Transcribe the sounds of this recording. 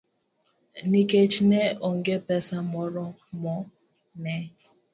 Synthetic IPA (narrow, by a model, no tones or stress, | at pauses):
niket͡ʃnɛʔoŋɡepɛsamɔɾɔmɔ | nɛ